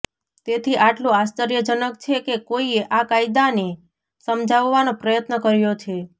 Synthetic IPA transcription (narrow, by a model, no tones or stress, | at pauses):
t̪et̪ʰiʔaʈlũast͡ʃəɾjəd͡ʒənək̚t͡ʃʰekekoieʔakaid̪ane | səmd͡ʒʱaʋːanõpɾəjət̪nəkəɾjot͡ʃʰe